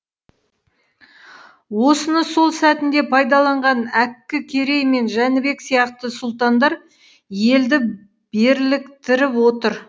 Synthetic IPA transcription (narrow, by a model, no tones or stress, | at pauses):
wo̞sənəso̞lˠsæt̪ɪnd̪e̞pʰɑjd̪ɑlˠɑɴʁɑnækʲːɪkʲʰe̞ɾe̞jme̞nʒænɪbe̞ksijɑqt̪əsʊlˠt̪ɑnd̪ɑɾ | je̞ld̪ɪ | b̥e̞ɾlɪkt̪ɪɾɪpwo̞t̪əɾ